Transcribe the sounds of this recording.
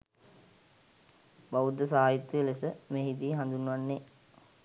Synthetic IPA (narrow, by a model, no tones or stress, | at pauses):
baʋud̪ːəs̬aːjit̪ːuʋelesəmeɦit̪iɦand̪unəʋanːe